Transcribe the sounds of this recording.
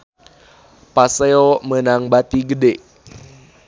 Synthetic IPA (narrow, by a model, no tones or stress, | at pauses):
paseomənaŋbat̪iɡədeʔ